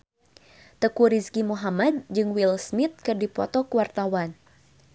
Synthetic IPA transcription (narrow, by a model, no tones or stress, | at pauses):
t̪əkuɾiskimuɦamad̪̚d͡ʒɨŋwilsmit̪̚kɨrdipɔ̰t̪ɔkəwart̪awan